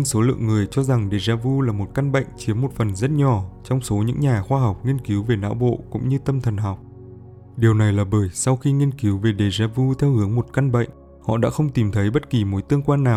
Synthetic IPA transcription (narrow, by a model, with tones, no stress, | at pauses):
so˨˦lɨ̰˧˨əŋːɨ˨˩əjt͡ɕɔ˧za˨˩ŋɗe˨˩zaː˧vu˧laː˨˩mo˨˩t̚ka˧nɓə̰˧˨jŋ̟t͡ɕi˨˦əmːo˨˩t̚fə˨˩nzə˦˥t̚ɲɔ˨˩t͡ɕɔ˧wŋ͡mso˨˦ɲɨ̰˧˥ŋɲaː˨˩xwaː˧ɦa˨˩wk͡p̚ŋi˧ənki˨˦wve˨˩na̰ː˧˥wɓo̰˧˨kʊ̰˧˥ŋ͡mɲɨ˧t̪ə˧mt̪ʰə˨˩nɦa˨˩wk͡p̚ | ɗi˨˩əwna˨˩jlaː˨˩ɓəː˧˩jsa˧wxi˧ŋi˧ənki˨˦wve˨˩ɗe˨˩zaː˧vu˧t̪ʰɛ˧whɨ˨˦əŋmo˨˩t̚ka˧nɓə̰˧˨ŋ̟ | hɔ̰˧˨ɗa̰ː˧˥xə˧wŋ͡mt̪i˨˩mt̪ʰə˨˦jɓə˦˥t̚ki˨˩mo˨˦jt̪ɨ˧əŋkwaː˧nːaː˨˩w